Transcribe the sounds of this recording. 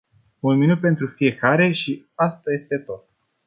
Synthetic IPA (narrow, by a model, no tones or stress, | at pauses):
unminut̪̚pe̞nt̪ɾufije̞kaɾe̞ʃi | ast̪aje̞st̪e̞t̪o̞t̪